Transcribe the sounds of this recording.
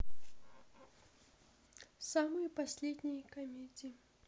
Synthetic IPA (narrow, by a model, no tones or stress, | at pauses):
samɨjpasʲlʲed̪ʲnʲijkamʲedʲi